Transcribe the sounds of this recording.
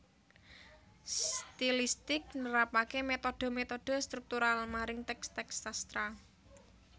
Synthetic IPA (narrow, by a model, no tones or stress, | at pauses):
st̪ilist̪ɪk̚nəɾapakemet̪oɖ̥ɔ̤met̪ɔɖ̥ɔ̤st̪ɾuk̚t̪uɾalmaɾɪŋt̪ɛkst̪ɛksast̪ɾa